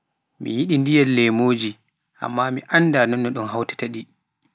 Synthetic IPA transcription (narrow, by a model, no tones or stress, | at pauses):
mḭjiɗindijɛlːɛmoːd͡ʒi | ʔa̰mːamiʔanːdanɔnːɔɗɔnhawtɛ̥taɗi